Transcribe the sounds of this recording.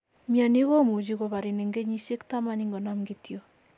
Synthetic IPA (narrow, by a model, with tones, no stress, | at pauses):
mja˨ni˦ko˦mu˨t͡ʃi˦ko˨βa˨ɾi˨nɛ˨ŋɡe˦ɲi˦ʃe˦kta˦ma˨ni˦ŋɡɔ˨na˦mɡi˦tjo˨